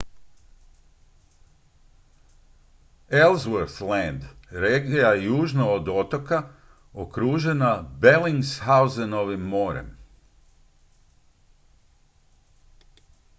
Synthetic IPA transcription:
elzʋoɾθlɛnd̪ɾeɡijajuːʒnaod̪ot̪oka | okɾuːʒe̞nabe̞liŋsxauzenoʋimːo̞ːɾḛm

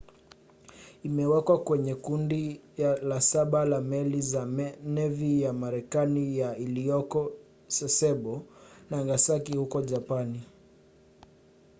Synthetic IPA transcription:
imɛwɛkwakwɛɲɛkundilasaɓalamɛlizanɛvijamaɾɛkanijailiɔkɔ | sɛsɛɓɔnaŋɡasakihukɔd͡ʒapani

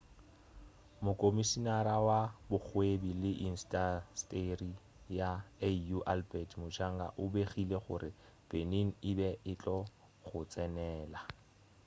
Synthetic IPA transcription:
mʊkʼomisinaɾawabʊk͡xʰwebilɪʔin̩stʼastʼeri | jaejuʔalbɛtmʊt͡ʃʰaŋɡa̰ʔʊbeχileχʊ̰ɾɪ | b̥eneŋ̩ɪbɛɪt͡ɬʼɔ | χʊt͡sʼɛnɛːla

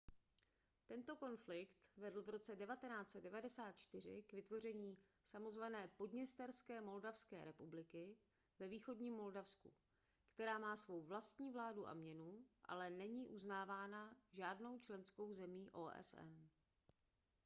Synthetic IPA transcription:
t̪ɛnt̪o̞ko̞nflɪkt̪vɛdl̩vɾo̞t͡sɛdɛvat̪ɛnaːt͡sɛddɛvadɛsaːt̪̚t͡ʃt̪ɪr̝ɪ̰kvɪt̪vo̞r̝ɛɲiːsamo̞zvanɛːpo̞dɲɛst̪ɛɾskɛːmo̞ldafskɛ̰ːɾɛpublɪkɪ | vɛviːxo̞dɲiːmːo̞ldafskṵ | kt̪ɛɾaːmaːsvo̞wvlast̪ɲiːvlaːduʔa̰mɲɛnuʔa̰lɛnɛɲiːʔuznaːvaːnaʒaːdno̞wt͡ʃlɛnsko̞wzɛmiːʔoːʔɛ̰sɛ̰n

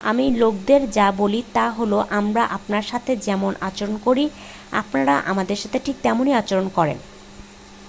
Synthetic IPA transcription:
a̰milok̚d̪eɾd͡ʑabolit̪aɦoloʔamɾaʔapnaɾʃat̪ʰed͡ʑɛmonʔat͡ɕoɾonkoɾi | a̰pnaɾaʔa̰mad̪eɾʃat̪ʰeʈʰik̚t̪ɛmoniat͡ɕoɾonkɔɾḛn

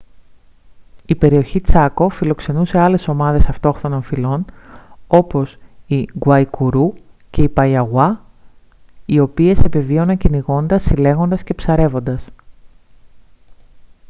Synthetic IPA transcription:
ipe̞ɾio̞çit͡sɐko̞filo̞kse̞nuse̞ɐle̞so̞mɐðe̞sɐft̪o̞xθo̞no̞nfilo̞n | o̞po̞siɡwɐjkuɾuce̞ipɐjɐɣwɐ | io̞pie̞sepevio̞nɐɲceniɣo̞nd̪ɐsile̞ɣo̞nd̪ɐsce̞psɐɾe̞vo̞nd̪ɐs

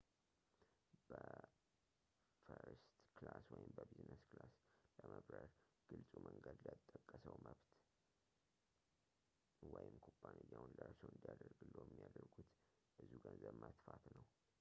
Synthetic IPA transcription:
b̥ə | fəɾst̪klaswɔjɪmbəbiznəsklasləməbɾəɾ | ɡ̥ɨlsʼumʔəŋɡəd̪lat̪ʼːəkʼːəsəwməβt̪ | wɔjɪmkʰobːanejːawnlaɾt͡ʃəwɨnd̪ijad̪əɾɡɨlːojɛmːijad̪əɾɡut̪ | ʔɨzuɡənzəβmət̪fat̪nəw

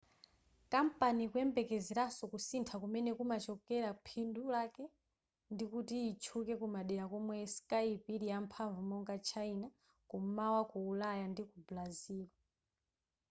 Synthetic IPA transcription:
kampanikuɛmbɛkɛziɾasɔkusintʰakumɛnɛkumat͡ʃɔkɛɾapʰindulakɛ | ndikutiːt͡ʃʰukɛkumaɗɛɾakɔmwɛskaipiɾijampʰaɱvumɔŋɡat͡ʃʰaina | kumawakuːlajandikublaziːlwa

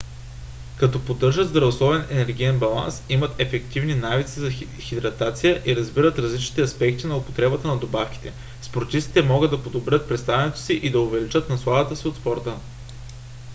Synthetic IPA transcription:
kɐt̪ɔpod̪ɤɾʒəd̪zd̪ɾɐvoslˠɔbɛnɛnɛɾɡʲijɛnbɐlˠa̰nsimət̪ɛfɛk̚t̪ivninavit̪sizɐ | xʲid̪ɾɐt̪at̪sijəʔiɾɐzbiɾət̪ɾɐzlit͡ʃni̥t̪ɛɐspɛk̚t̪inɐʊpo̥t̪ɾɛbət̪ənɐd̪obafk̟ʲi̥t̪ɛ | spoɾt̪ist̪i̥t̪ɛmɔɡɤd̪ːɐpod̪obɾʲət̪̚pɾɛt̪st̪avɛnɛt̪o̥siʔid̪ɐʊvɛlit͡ʃɤt̪nɐslˠavɐt̪əsiot̪spɔɾt̪ə

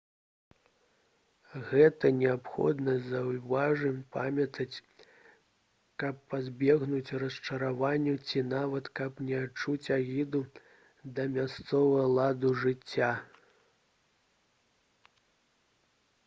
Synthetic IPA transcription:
ɣɛt̪ɐnʲɛapxɔ̰d̪nɐzɐwvaʐɨmpa̰mʲɐt̪ɐt͡sʲ | kɐpːazʲbʲɛɣnut͡sʲrɐst͡ʂɐɾavanʲːut͡sʲinavɐt̪kɐpnʲɛat͡ʂut͡sʲaɣʲid̪u | d̪ɐmʲast̪sɔvɐɣɐlˠad̪uʐɨt͡sʲːa

